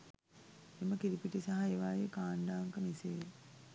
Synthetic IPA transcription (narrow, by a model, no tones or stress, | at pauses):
eməkiɾipiʈisaɦaeʋaːjekaːɳɖaːŋkəmiseː